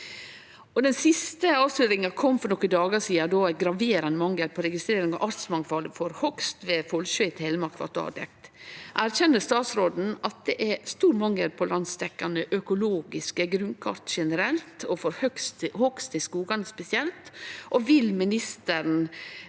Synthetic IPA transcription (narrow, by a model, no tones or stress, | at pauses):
ɔd̪ɛnsɪst̪əɑːʋslyːɾɪŋɑkʰɔmːfɔɾnɔkːəd̪ɑːɡɑsiːɑd̪oːæɡɾɑʋeːɾɑnəmɑŋəɾpʰɔɾɛɡɪst̪ɾeːɾɪŋɑ̰ʋʔɑɾt̪smɑŋfɑləfɔɾhɔkst̪ʋeːfɔlɕœːɪt̪ʰɛɪləmɑɾkʰʋɑ̰t̪ɑ̰ːd̪ɛ̰k̚t̪ʔæɾçɛnːəst̪ɑːt̪sɾoːd̪n̩ɑt̪̚d̪ɛʔæst̪uːɾmɑŋːəɾpʰɔlɑnst̪ɛkːɑnəʔœkʊloːɡɪskəɡɾʉnkʰɑɾt̪ʃɛnəɾɛlt̪ʰɔfɔɾhœkst̪hɔkst̪ɪskuːɡɑnəspɛsɪɛlt̪ʔɔʋɪlmɪnɪst̪əɾn̩